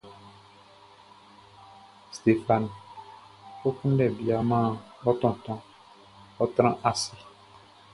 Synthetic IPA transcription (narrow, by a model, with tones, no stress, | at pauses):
st̪e˨fa˨n˨ | fʊ˦kʰũ˦ɖɛ˨bi˨a˨mãː˦˨ | ɔ˦t̪ɔ̃˨t̪ɔ̃˦ | ɔ˦t̪ɾã˦ʔa˨sɪ˨